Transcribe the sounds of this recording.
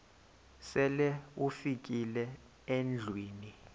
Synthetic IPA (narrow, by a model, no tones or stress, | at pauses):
sɛlɛufik̬ʼilɛ | end͡ɮʱwiːni